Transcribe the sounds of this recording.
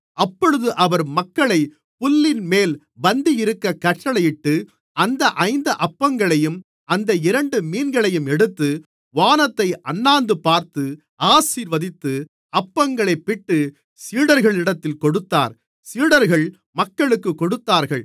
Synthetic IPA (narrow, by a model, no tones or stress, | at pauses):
ɐpːɔɻɯðɯʔɐʋɐɾmɐkːɐɭɐɪ | pʊlːɪnmeːl | bɐnd̪ijɪɾɯkːɐkɐʈʈːɐɭɐjɪʈːɯ | ɐnd̪ɐʔɐɪnd̪ɐʔɐpːɐŋɡɐɭɐjɯm | ɐnd̪ɐɪɾɐɳɖɯmiːnɡɐɭɐjɯmɛɽɯt̪ːɯ | ʋaːnɐt̪ːɐɪʔɐnːaːnd̪ɯpaːɾt̪ɯ | aːsiːɾʋɐðɪt̪ːɯ | ɐpːɐŋɡɐɭɐɪpːɪʈːɯ | siːɽɐɾɣɐɭɪɽɐt̪ːɪlkɔɽɯt̪ːa̰ːɾ | siːɽɐɾɣɐɭ | mɐkːɐɭɯkːɯkːɔɽɯt̪ːaːɾɣɐɭ